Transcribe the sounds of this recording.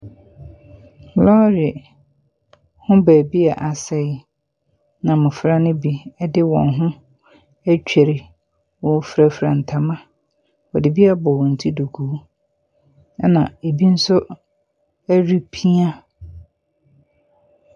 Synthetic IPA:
lɔ˦ɾi˨ | hʊ̃˦bæː˨bi˦a˨ʔa˨sɛ˦ | nã˨mʊ̃˨fɾa˦nɪ̃˦bi˦ɛ˦dɪ˦wɔ̰̃˨nɦʊ̃˦ | æ˦t͡ɕᶣɛ˨ɾɪ˨ | wɔ̃˨˦fɾa˦fɾa˨n̩˨tʰa˨mã˦ | ɔ˨dɪ˨bi˦a˨bɔ˨wɔ̃˨n̩˨tʰi˦du˨kʰuː˨˦ | ɛ˦nã˨e˨bi˦n̩˦sʊ˦ | æ˦ɾi˦pʰi˦a˦

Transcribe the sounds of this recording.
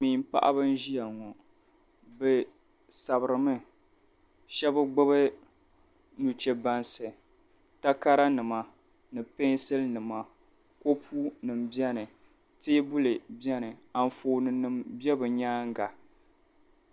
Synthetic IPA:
mi˨m̩˦pa̰˦ʔa̰˦bɨ˦n˦ʒi˦ja˨ŋɔ˨ | bɨ˨ | sa˨bɨ˨ɾɨ˨mɨ˦ | ʃɛ˦bɨ˦ɡ͡bo˦bɨ˦ | nu˨t͡ʃɛ˨ba˦nsɨ˨ | ta˦ka˦ɾa˦nɨ˨ma˨ | nɨ˨pe˦sɨ˦lnɨ˨ma˨ | ko˦pʰuː˦nɨ˨m˨bi˦ɛ˦nɨ˨ | teː˦bu˦lɨ˨bi˦ɛ˦nɨ˨a˨n˨foː˨nɨ˨nɨ˨mbjɛ˦bɨ˨ɲaː˦ŋ˦ɡa˨

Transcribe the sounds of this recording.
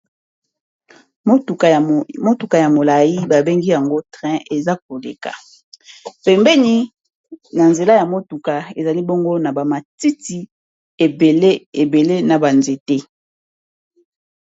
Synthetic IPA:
mo˦tu˨ka˨mo˦tu˨ka˨ja˨mo˨la˨ji˦ba˨be˦ŋɡi˦ja˨ŋɡo˦tʁɛ̃˦e˨za˦k̚o˨lḛ˨ka̰˨ | pɛ˨mbɛ˦ni˦ | na˨nze˨la˦ja˨mo˦tu˨ka˨e˨za˨li˦bo˦ŋɡo˦na˨ba˨ma˨ti˦ti˨ | e˨be˨le˦e˨be˨le˦na˨ba˨nze˨te˦

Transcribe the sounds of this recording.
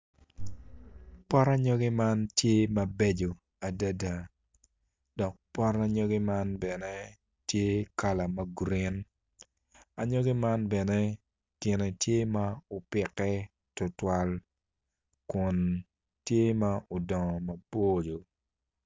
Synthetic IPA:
pɔ˦ɾa˦ɲɔ˦ɡe˦ma˦ntje˦mɐ˨be˦d͡ʒo˨ | a˨da˦da˨ | dɔ˨k̚pɔ˦ɾa˦ɲɔ˦ɡe˦ma˦nbɛ˨ne˦ | tje˦ka˨la˨mɐ˦ɡɾɪ˦n | a˨ɲɔ˦ɡi˦ma˦nbɛ˨nɛ˦ | kɪ˨ne˨tje˦ma˦o˨pɪ˨kːɛ˦ | tʊ˨twa˨l | kʊ˨n | tje˦ma˦ʔo˨dɔ˨ŋɔ˨mɐ˨bo˦d͡ʒo˨

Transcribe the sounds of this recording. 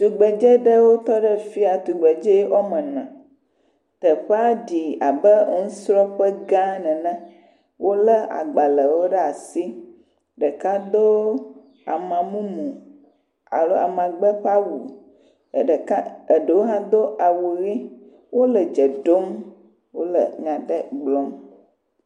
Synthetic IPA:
t̪u˨ɡ͡bɛ˨d͡ʒɛ˦ɖə˦wo˦t̪ɔ˦ɖə˦fi˦a˨t̪u˨ɡ͡bɛ˨d͡ʒe˦ʔɔ˦mɛ̃˨nã̰˨ | t̪ə˨ɸa˦ɖi˨a˨bə˦ŋũ˦sɾɔ˦ɸə˦ɡã˦nɛ̃˨nã˦ | wo˦lə˦a̰˨ɡ͡ba˨lə˨wo˦ɖɛ˦a˨si˦ | ɖə˨ka˦d̪o˦ | a̰˨mã˨mũ˦mũ˨ | a̰˨lo˦a̰˨mã˨ɡ͡bə˦ɸa˦wu˨ | a˦ə˨ɖə˨wo˦ɦã˦d̪o˦ʔa˨wo˨ɣi˦ | wo˦lə˨d͡ʒə˨ɖo˦m | wo˦lə̰˨ɲã˨ɖə˦ɡ͡blɔ˦m

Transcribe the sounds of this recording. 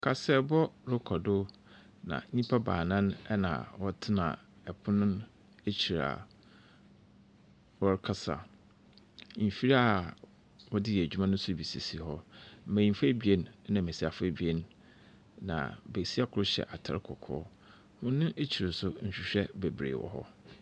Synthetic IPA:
kʰa˨sɛ˨bɔ˦ɾʊ˦kʰɔ˨dʊ˦ | nã̰˨˦ɲĩ˦pʰa˦ba̰ː˨nã˦nɛ˦nã̰˨wɔ˦tʰɪ˦nã̰˨ | ɛ˨pʰʊ˦nʊ̃˦n | e˦t͡ɕʰi˨ɾa̰˨ | wɔ˦ɾkʰa˦sa̰˨ | m̩˨fi˦ɾa˦˨ | wɔ˦dɪ˦jɛ˨æ˨d͡ʑᶣu˦mã˦nʊ̃˦sʊ˦˨bi˨se˨si˨hɔ˦m̩˦mæ̃˨jĩ˨mfa˦bi˨e˦n˨˦nã˨mẽ˨si˦a˨fa˦bi˨e˦n˦ | nã̰˨be˨si˦a˦kʰʊ˨˦ʊ˦ɕɛ̰˨ʔa˨tʰa̰˨ɾkʰɔ˨kʰɔ̰ː˦ | mʊ̃˦nʊ̃˦ʔe˦t͡ɕʰi˨ɾɪ˨sʊ˦ɲ̩˨ɕᶣi˨ɕᶣɛ˦be˨bɾḛː˨wɔ̰˨ɦɔ̰˦

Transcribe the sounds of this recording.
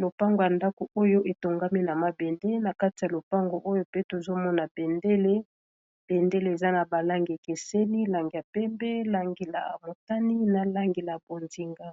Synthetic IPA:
lo˨pa˦ŋɡo˨ja˨nda˦ko˨o˦jo˦ʔe˨to˨ŋɡa˦mi˦na˨ma˦bɛ˨nde˦na˨ka˦ti˨ja˨lo˨pa˦ŋɡo˨ʔo˦jo˦pe˦to˨zo˦mɔ˦na˨be˨nde˦le˦ | b̥e˨nde˦le˨e˨za˦na˨ba˨la˦ŋɡi˨e˨ke˨se˦li˦la˨ŋɡi˨ja˨pɛ˦mbɛ˦la˨ŋɡe˨la̰˨a̰˨mo˨ta˦ni˦na˨la˦ŋɡe˨la˨bo˨nzi˨ŋɡa˦

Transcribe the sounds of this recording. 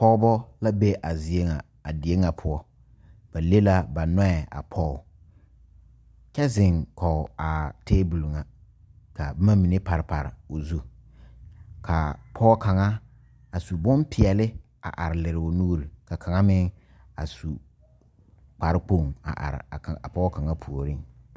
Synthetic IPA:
pɔ˦bɔ˦la˦be˦ʔa˨zi˨e˦ŋa˨ | a˨dɪ˨e˦ŋa˨pʰʊ˦ɔ˦ | b̥a˨le˦la˦ba˨nɔ˦ɛ˨a̰˨pʰɔ˦˨ | kɛ˦zɪ˨ŋkɔ˨ʊ˨a˨teː˦bu˨lŋa˨ | ka˨bma˦mi˨ne˦pa˨ɾɪ˨pa˨ɾɪ˨o˨zu˦ | kʰa̰˨pʰɔ˦ka˨ŋa˦ | a˨su˨bʊ˦mpʰɪ˨ɛ˨lɪ˦ | a̰˨ʔa˨ɾɪ˨lɪ˨ɾɪ˨ʊ˨nuː˦ɾi˨ka˨kʰa˨ŋa˦mɪ˦ŋ | a̰˨su˨ | k͡pa˨ɾɪ˦k͡po˦˨ŋa̰˨ʔa̰˨ɾɪ̰˨a˨pɔ˦ka˨ŋa˦pʰu˨o˨ɾɪ˦˨ŋ

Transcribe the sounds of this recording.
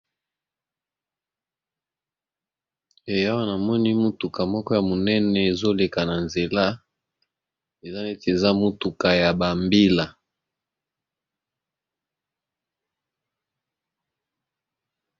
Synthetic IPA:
e˨ja˦wa˦na˨mɔ˦ni˦mu˦tu˨ka˨mɔ˦kɔ˦ja˨mo˨nɛ˦nɛ˨e˨zo˦le˨ka˨na˨nze˨la˦ | e˨za˦ne˦te˨za˦mu˦tu˨ka˨ja˨ba˨mbi˦la˨

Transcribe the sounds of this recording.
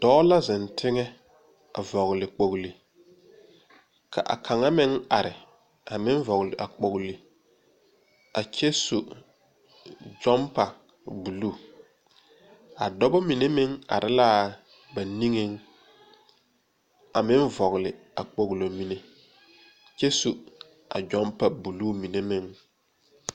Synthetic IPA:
d̥ɔ˦la˦zɪ˨ntʰɪ˦ŋɛ˦ | a̰˨vɔ˨ɣlɪ˨k͡po˨ɣli˨ | kʰa̰˨ʔa̰˨kʰa˨ŋa˦mɪ˦ŋa˨ɾɪ˨ | a˨mɪ˦ɱ˦vɔ˨ɣlɪ˨ʔa˨k͡po˨ɣli˨ | a˨kɛ˦so˨ | d͡ʒɔ˦mpa˨ | bu˨lu˦˨ | a˨dɔ˦bɔ˦mi˨ne˦mɪ˦ŋa̰˨ɾʔɪ˦la˦ | ba˨ni˦ŋe˦ŋ | a˨mɪ˦ɱvɔ˨ɣlɪ˨ | a˨k͡po˨ɣlo˨mi˨ne˨ | t͡ʃe˦su˨ | a˨d͡ʒɔ˦mpa˨bu˨luː˦mi˨ne˦mɪ˦ŋ

